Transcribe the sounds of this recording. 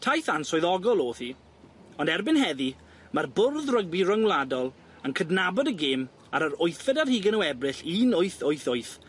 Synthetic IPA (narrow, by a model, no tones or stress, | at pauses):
tʰajθansɔɨðɔɡɔlˠoːθi | ɔndɛrbɪnɦɛði | marbʊrðrəɡ̚birəŋwlˠadɔlˠ | əŋkʰədnabɔdəɡɪːm | aɾəɾʊjθɛdarhiːɡənəwɛbrɪɬinʊɨθʊɨθʊɨθ